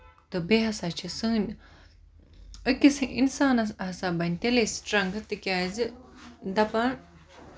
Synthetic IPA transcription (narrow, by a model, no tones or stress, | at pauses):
t̪ɨbeɦɐsat͡ʃʰisɨn | əkʲisɨʔinsaːnɐɦɐsabɐnʲt̪elesʈɾɐŋɡt̪ɨkʲaːzɨd̪ɐpɐn